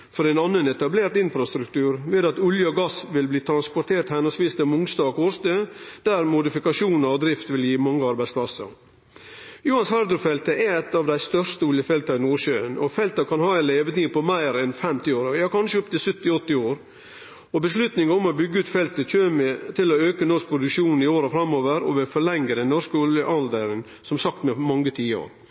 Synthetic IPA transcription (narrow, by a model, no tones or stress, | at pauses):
fɔɾɛnɑnːənɛt̪ɑbleːɾʈ̪ɪnfɾɑst̪ɾʉkt̪ʉːɾʋeːd̪ɑt̪ʉljəɔɡɑsʋɪlbliːt̪ʰɾɑnspɔt̪ʰeːʈt̪hæɪnəsʋiːst̪ɛmʊŋsd̪ɑːɡhoːɾst̪ød̪̥æɾmʊd̪ɪfɪkɑʂuːnɑɾɔd̪ɾɪft̪ʋɪljiːmɑŋːəɑɾbæɪspʰlɑsə̰ɾ | juhɑnshɑɾd̪ʊfɛlt̪əʔɛɾɛt̪ːɑʋd̪æɪst̪œʂt̪əʊljəfɛlt̪ɑɪnuːɾɕøːənɔfɛlt̪ɑkʰɑnhɑːɛleːʋət̪iːpʰɔmæɪɾɛnfɛmt̪ɪoːɾɑːkʰɑnʂəɔp̚t̪ɪlsʉt̪ːɪɔt̪ːɪoːɾ | ɔbəslʉt̪nɪŋɑɔmɔbʏɡːəʉːt̪fɛlt̪ət͡ʃøːmet̪ʰɪlɔøːkənɔʂk̚pʰɾʊd̪ʉkʂuːnn̩ɪoːɾəfɾɑmːoːʋəɾɔ̰ʋeːfɔɭɛŋːəɾɛnɔʂkəɔljəʔɑnd̪əɾən | sɔmsɑkt̪mɛmɑŋːət̪ʰiːə̰ɾ